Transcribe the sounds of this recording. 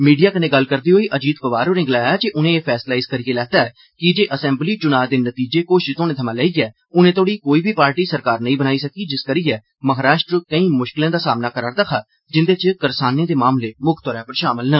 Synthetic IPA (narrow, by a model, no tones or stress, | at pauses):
miːɖijaːkənẽːɡəlkəɾd̪iːɦoːiːʔəd͡ʒiːt̪̚pəʋaːɾoːɾɪ̃ŋɡlaːaːd͡ʒeʔʊnẽːeːpʰɛːslaːɪskəɾiːeːlɛːd̪aːɛː | kɪd͡ʒeːʔəsɛ̃ːmbliːt͡ʃʊnaːd̪eːnət̪iːd͡ʒeːkoːʃt̪oːnẽːt̪ʰəmãːlɛːiːɛː | ʊnẽːt̪ʰoːɽiːkoːiːbʱiːpaːɾʈiːsəɾkaːɾnəĩːbənaːiːsəkiːd͡ʒɪskəɾiːɛː | məɦaːɾaːʃʈɾəkəĩːmʊʃkɪlãːd̪aːsaːmnaːkəɾaːɾd̪əkʰaː | d͡ʒɪnd̪eːt͡ʃkəɾsaːnẽːd̪eːmaːmleːmʊkʰt̪ɔːɾɛ̃ːpəɾʃaːməlnə